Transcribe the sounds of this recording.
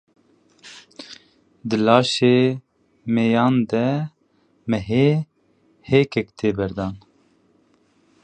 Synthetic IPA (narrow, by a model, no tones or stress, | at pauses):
d̪ɨlɑːʃeː | meːjɑːnd̪ɛ | mɛɦeː | heːkʰɛkt̪ʰeːbɛɾd̪ɑːn